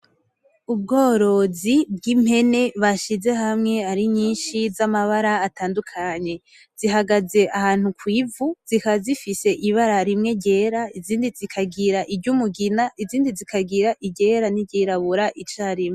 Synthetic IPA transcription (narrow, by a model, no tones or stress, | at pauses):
ub̚ɡo̞ːɾo̞zib̚ɡim̥he̞ne̞βaʃize̞ɦamŋe̞aɾiɲiːnʃizamaβaɾaːtaːndukʰaɲe̞ | z̥iɦaɡaze̞ʔahaːn̥ukwiːvuz̥ikazifise̞ʔiβaɾaɾimŋe̞ɟe̞ɾaiziːndizikʰaɡiɾaʔiɟumuɡinaʔiziːndizikʰaɡiɾaʔiɟe̞ːɾaniɟiɾaβuɾaʔit͡ʃaːɾime